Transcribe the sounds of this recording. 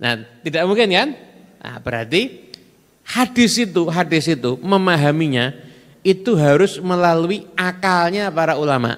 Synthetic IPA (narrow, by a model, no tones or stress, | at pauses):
na̰t̪idaʔmuŋkɪnkan | a̰b̥əɾart̪i | hadɪsit̪uɦadɪsit̪uməmaɦamiɲa | it̪uɦaɾʊsməlaluiakalɲapaɾaulama̰ʔ